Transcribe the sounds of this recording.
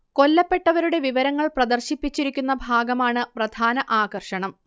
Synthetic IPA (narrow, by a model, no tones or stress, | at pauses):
ko̞lːɐpːe̞ʈːɐʋɐɾuɽe̞ʋiʋɐɾɐŋːɐɭprɐd̪ɐrɕipːit͡ɕːiɾikʲːunːɐbʱaːɡɐmaːɳɨprɐd̪ʱaːnɐʔaːɣɐrʂɐɳɐm